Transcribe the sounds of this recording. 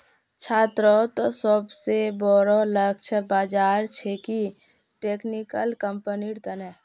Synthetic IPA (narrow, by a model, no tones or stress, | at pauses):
t͡ʃʰaːt̪ɾot̪ɔsəbsebɔɾoləɡ̚t͡ʃʰəbaːd͡ʒaːɾt͡ʃʰeki | ʈeːknikəlkəmpəniɽt̪ənɛ